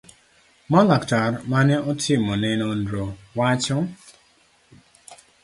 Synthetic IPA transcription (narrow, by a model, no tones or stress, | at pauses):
mɔlaktaɾmanɛʔɔtʰɪmɔnɛnɔndɾɔwat͡ʃɔ